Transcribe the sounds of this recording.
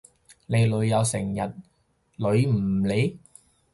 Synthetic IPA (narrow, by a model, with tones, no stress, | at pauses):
ne˨˧jlɵ˨˧ɥjɐ˨˧wsɪ˨˩ŋjɐ˨˩t̚ | lɵ˨˧ɥm̩ː˨˩le˨˧j